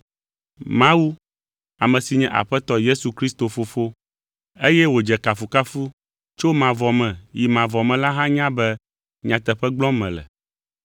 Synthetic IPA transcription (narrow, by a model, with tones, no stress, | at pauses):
mã˦wu˦ | a˨mɛ̃˨si˨ɲɛ̃˦ʔa̰˨ɸɛ˦t̪ɔ˦je˦su˨kɾi˦st̪o˨fo˨fo˦ | e˦jɛ˦wo˨d͡ʒɛ˨ka˨fu˨ka˦fu˦ | t͡ʃo˦mã˨vɔ˨mɛ̃˨ji˨mã˨vɔ˨mɛ̃˨la˦ɦã˦ɲã˦bɛ˦ | ɲã˨t̪ɛ˨ɸɛ˦ɡ͡blɔ̃˦mɛ̰̃˨lɛ̰˨